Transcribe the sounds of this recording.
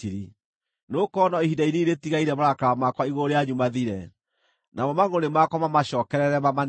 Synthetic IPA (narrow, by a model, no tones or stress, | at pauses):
iɾi | nokɔnɔihidaiɾeiɾetiɣaiɾɛmaɾakaamakwaiɣoɾeaɲumaðiɾɛ | namɔmaɣonemakwɔmamaɕɔːkɛɾɛɾɛmaman